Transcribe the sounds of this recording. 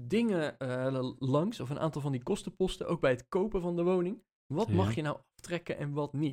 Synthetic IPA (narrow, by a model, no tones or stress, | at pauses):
dɪŋə | lɑŋsɔfənʔa̰ːntɑlˠvɑndikɔstəpɔstəʔowɡ̚bɛjɦətkowpəvɑndəʋownɪŋ | ʋɑtmɑχjənawʔɑftrɛkənʔɛ̰nʋɑtnit